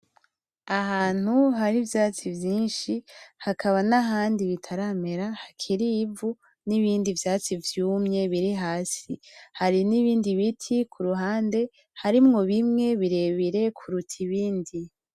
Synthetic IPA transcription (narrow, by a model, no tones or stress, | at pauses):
ahaːn̥huɦaɾivjaːt͡sivjiːnʃihakʰaβanaɦaːndiβitʰaɾame̞ɾahakʰiɾiːvu | niβiːndivjaːt͡sivjuːmɲe̞βiɾiɦaːsihaɾiniβiːndiβitʰikʰuɾuɦaːnde̞ | haɾimŋo̞βimŋe̞βiɾe̞βiɾe̞kʰuɾutʰiβiːndi